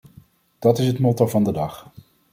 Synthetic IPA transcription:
d̥ɑtɪsɦətmɔtoɹvɑndədɑχ

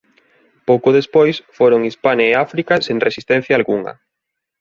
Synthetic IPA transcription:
powkoðespojsfoɾoŋispanaeafɾikɐseŋresist̪ɛ̃n̟θjaːlɣuŋɐ̰

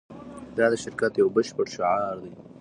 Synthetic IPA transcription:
d̪ad̪əʃɪɾkat̪jawbəʃbəɽʃɪʕɑɾd̪ij

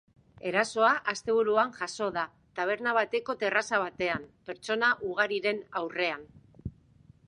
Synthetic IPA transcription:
e̞ɾaso̞aʔast̪e̞β̞uɾuaŋʝaso̞ða | t̪aβ̞e̞ɾnaβ̞at̪e̞ko̞t̪e̞rasaβ̞at̪e̞ampeɾt͡ʃo̞naʔuɣ̞aɾiɾe̞nawre̞an

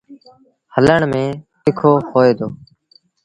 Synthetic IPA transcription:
hələɳmẽːt̪ɪkʰoːhoːeːd̪o̰ː

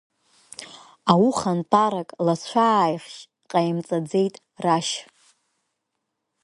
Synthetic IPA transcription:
awuχantʰʼaɾakʼlat͡ɕʷʰajχʃ | qʼajmt͡sʼad͡ze̞jtʼ | raʃ

